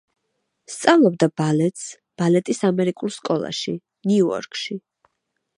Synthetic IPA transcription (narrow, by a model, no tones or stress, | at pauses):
st̪sʼavlˠɔb̚d̪abalɛt̪ʼs | b̥alɛt̪ʼisamɛɾikʼulˠskʼɔlˠa̰ʃi | niuɔ̰ɾkʼʃi